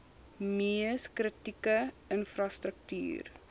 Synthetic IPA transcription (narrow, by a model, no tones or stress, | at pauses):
miəskrətikə | ənfrɐstɾək̚ty̰ːr